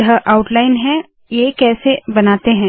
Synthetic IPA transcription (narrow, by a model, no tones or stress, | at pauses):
ɐɦəʔaːʊʈlaːɪnɦɛ̃ | jekɛːsebɐnaːt̪eɦɛ̃ː